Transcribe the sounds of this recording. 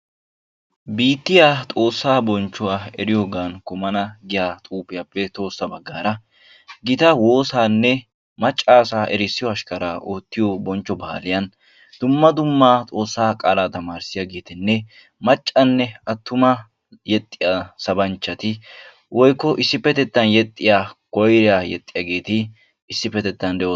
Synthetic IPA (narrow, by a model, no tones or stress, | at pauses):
biːt̪ːɪjaːt̪ʼo̞ːsːaːbɔnt͡ʃːʊwaːɛɾɪjoːɡaːnkʊmɐnɐɡɪjaːt̪ʼuːpɪjapːɛt̪ʼo̞ːsːɐbɐɡːaːɾɐ | ɡɪt̪ɐwo̞ːsaːnːɛ | mɐt͡ʃʼːaːsaːʔɛɾɪsːɪjɔɐʃkɐɾaːʔoːt̪ːɪjɔbɔnt͡ʃːɔbɐ̰ːlɪjɐn | d̪̥ʊmːɐd̪ʊmːaːt̪ʼo̞ːsːaːkʼaːlaːt̪ɐmaːɾsɪjaɡe̞ːt̪ɪnːɛ | mɐt͡ʃʼːɐnːɛɐt̪ʰːʊmɐ | jɛt̪ʼːɪjasɐbɐnt͡ʃːɐt̪ɪ | wʔɔjkːɔʔɪsːɪpːɛt̪ɛt̪ːɐnjɛt̪ʼːɪjaːkɔjɾɪjaːjɛt̪ʼːɪjaɡe̞ːt̪ɪː | sːɪpːɛt̪ɛt̪ːɐnd̪ɛʔɔ